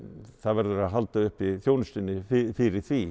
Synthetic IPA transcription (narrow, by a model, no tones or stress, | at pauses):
θaðvɛɾðʏɾaðɦalt̪aʏhpiθjoːwnʏst̪ɪnːɪffɪːɾɪθviː